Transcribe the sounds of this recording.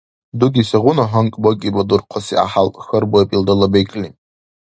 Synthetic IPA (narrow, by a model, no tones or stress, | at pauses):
duɡʲisaʁʷʊnaħaŋkʼbokʲʼibʼadurqʷʰasḭa̰ħalpʼxərbaapʼildalabejkʼlʲi